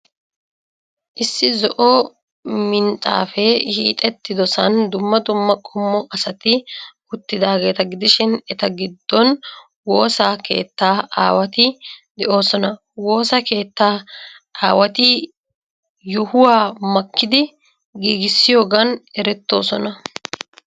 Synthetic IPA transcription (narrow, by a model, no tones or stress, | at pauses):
ʔɪsːɪzɔʔɔ | mɪnt̪ʼa̰ːfɛhḭːt̪ʼɛt̪ːɪd̪ɔsɐnd̪ʊmːɐd̪ʊmːɐkʼɔmːɔʔɐsɐt̪ɪ | ʊt̪ːɪd̪aːɡe̞ːt̪ɐɡɪd̪ɪʃɪnɛt̪ɐɡɪd̪ːɔn | wo̞ːsaːke̞̰ːt̪ːaːa̰ːwɐt̪ɪd̪ɛʔo̞ːsɔnɐ | wo̞ːsake̞ːt̪ːaː | ʔaːwɐt̪ɪ | jʊhʊwaːmɐkːɪd̪ɪ | ɡiːɡɪsːɪjo̞ːɡɐnɛɾɛt̪ːo̞̰ːsɔnɐ